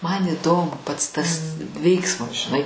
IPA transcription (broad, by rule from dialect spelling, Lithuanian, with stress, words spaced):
mɐn ɪˈdoːmʊ pɐts tɐs ˈʋʲɛɪksmɐs ʒʲɪˈnɐɪ